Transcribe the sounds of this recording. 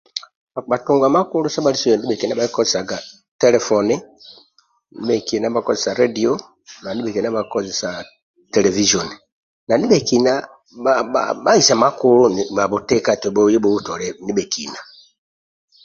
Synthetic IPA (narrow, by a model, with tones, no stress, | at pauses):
a˨ɓa˨tu˨ŋɡwa˨ma˦ku˦lu˦sa˦ɓa˦li˦so˦ɔ˨ndi˦ɓe˨ki˨na˦ɓa˦i˦kɔ˦ze˨sa˨ɡa˨ | tɛ˦lɛ˨fɔ˨ni˦ | ni˦ɓe˨ki˨na˦ba˨kɔ˦ze˨sa˨ɾe˦di˨o˦ | na˨ni˦ɓe˨ki˨n˦a˦ɓa˨˦kɔ˦ze˨sa˨ | tɛ˨lɛ˨vi˦ʃɔ˨ni˨ | na˨ni˦ɓe˨ki˨na˦ | aa̰ɓa˦i˨sa˨ma˦ku˦lu˦ni˨a˨βo˨te˦ka˦˨te˨ɓo˦je˦bo˦u˦tɔ˨ɾɛ˦ni˦ɓe˨ki˨na˨